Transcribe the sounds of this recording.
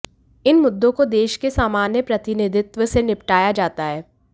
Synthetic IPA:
ɪnmʊd̪ːõkod̪eːʃkesaːmaːnjəpɾɐt̪ɪnɪd̪ʱɪt̪wəsenɪpʈaːjad͡ʒaːt̪aɦɛː

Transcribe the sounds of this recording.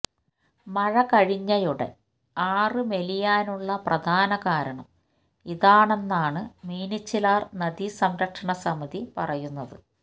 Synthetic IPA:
mɐɻɐkɐɻiɲːɐjuɽe̞̰ | aːrɨme̞lijaːnuɭːɐprɐd̪ʱaːnɐkaːɾɐɳɐm | iðaːɳe̞nːaːɳɨmiːnit͡ɕːilaːrnɐd̪isɐmɾɐkʂɐɳɐsɐmɐðipɐrɐjunːɐðɨ

